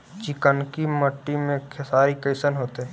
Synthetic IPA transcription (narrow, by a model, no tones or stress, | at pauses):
t͡ʃɪkənkimɐʈːimẽkʰesaːɾikəɪsənɦoːt̪eɦɛ̃ː